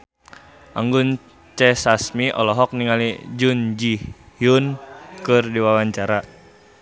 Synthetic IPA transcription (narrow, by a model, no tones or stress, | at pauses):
ʔaŋɡun | t͡ʃɛsasmiʔɔ̰lɔɦɔk̚niŋalid͡ʒund͡ʒi | hjunkɨrdiwawaɲt͡ʃaɾa